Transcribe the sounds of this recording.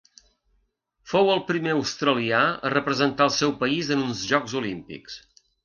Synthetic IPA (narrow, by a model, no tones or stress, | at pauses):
fowəlˠpɾimeəwst̪ɾəliaə̰rəpɾəzənt̪aəlˠsɛwpəizənunzʒɔɡzulimpḭks